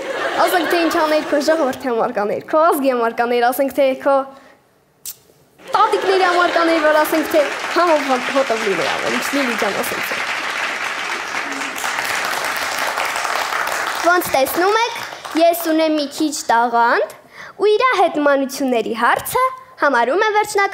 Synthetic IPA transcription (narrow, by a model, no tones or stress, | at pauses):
ɑsɛŋkʰt̪ʰɛint͡ʃʰɑnɛɾkʰɔʒɔʁɔvəɾt̪ʰiɑmɑɾkɑnɛ̰ɾkʰɔɑzɡiɑmɑɾkɑnɛɾɑsɛŋkʰt̪ʰɛkʰɔ | t̪ɑt̪iknɛɾiɑmɑɾkɑnɛɾvɔɾɑsɛŋkʰt̪ʰɛhɑmɔɦɔt̪əvlinɛ̰ɾɑ̰vɛ̰lint͡ʃʰlilud͡ʒjɑnɑ̰sɛ̰ŋk̚ʰt̪ʰɛ̰ | vɔnt͡sʰt̪ɛsnumɛkʰjɛsunɛmːikʰit͡ʃʰt̪ɑʁɑnd̪ | uiɾɑɦɛt̪mɑnut͡sʰjunːɛɾiɦɑɾt͡sʰəhɑmɑɾumɛvɛɾt͡ʃʰnɑk